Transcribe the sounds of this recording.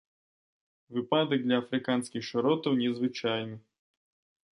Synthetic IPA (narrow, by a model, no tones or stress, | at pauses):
vɨpad̪ɐɡ̚d̪lʲɐːfɾɨkansʲkʲixʂɔɾɔt̪ɐwnʲɛzvɨt͡ʃajnɨ